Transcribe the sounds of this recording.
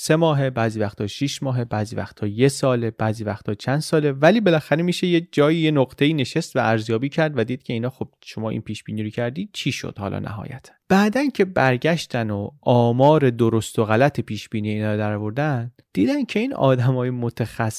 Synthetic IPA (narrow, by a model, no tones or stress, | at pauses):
se̞mɒːɦe̞bæːziːvæxt̪ʰːɒːʃiʃmɒːɦe̞bæːziːvæ̰xt̪ʰːɒːjesɒːleb̥æːziːvæxt̪ʰːɒːt͡ʃʰænd̪sɒːle̞væliːbe̞læxæɾemiːʃe̞jed͡ʒɒːjiːjenoɣt̪ʰe̞iːne̞ʃe̞st̪vææɾzjɒːbiːcʰæɾd̪væd̪iːd̪̚cʰe̞iːnɒːxob̥̚ʃo̞mɒːʔḭnpʰiːʃb̥iːniːɾocʰæɾd̪iːd̪̥̚t͡ʃʰiːʃo̰d̪̥hɒ̰ːlɒ̰ːnʔæ̰ɦɒ̰ːjæ̰t̪ʰæ̥b̥æːd̪æncʰebæɾɟæʃt̪ʰænoʔɒːmɒːɾe̞d̪oɾost̪oɣælæt̪ʰe̞pʰiːʃb̥iːniːjeiːnɒːɾod̪æɾɒːvo̞ɾd̪æn | d̪̥iːd̪ænd̪cʰe̞iːnɒ̰ːd̪æmɒːje̞mot̪ʰæxæs